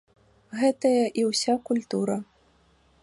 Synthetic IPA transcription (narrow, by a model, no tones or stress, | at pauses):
ɣɛt̪ɐjɐʔiwsʲakulʲt̪uɾɐ